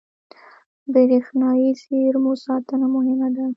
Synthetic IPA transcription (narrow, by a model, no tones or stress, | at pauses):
bəɾexnɑiseɾmosɑt̪ənamʊhɪmad̪a